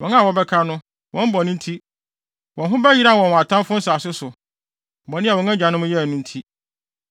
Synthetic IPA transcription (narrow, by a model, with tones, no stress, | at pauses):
wɔ̃˨˦a˦˨wɔ˦bɛ˦kʰa˦nʊ̃˦ | wʔɔ̃˦m̩˦bɔ˨nʊ̃˦n̩˦tʰi˦ | wɔ̃˨n˨ɦʊ̃˦bɛ˦ji˦ɾa˦˨wɔ̃˨n˨a˨tʰã˦m˦fʊ̃˦n̩˦saː˨sʊ˦sʊ˨ | m̩˨bɔ̃˨nɪ̃˦a˨wɔ̃˨ŋã˦d͡ʑᶣã˨nʊ̃˦mʊ̃˦jɛ˦˨nʊ̃˦n̩˦tʰi˦